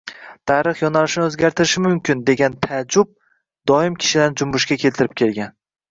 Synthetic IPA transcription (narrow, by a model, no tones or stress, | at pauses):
t̪ʰaɾɨχjɒnalɪʃɪnɪɵzɡʲaɾt̪ʰɪɾɪʃɪmʊmkʲɪnd̪e̞ɡʲant̪ʰad͡ʒʊb̚ | d̪̥ɒɪmkʲʰɪ̥ʃɪd̪and͡ʒʊmbʊʃkʲakʲʰe̞lt̪ʰɪɾɪp̚kʲʰe̞lɡʲan